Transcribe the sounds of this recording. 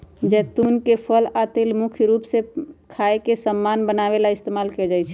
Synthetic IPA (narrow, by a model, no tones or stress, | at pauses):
d͡ʒɛt̪unkepʰəlat̪elmukʰjɾupsekʰaekesəmːanbənaβelaɪst̪emalkɛd͡ʒajt͡ʃʰɛ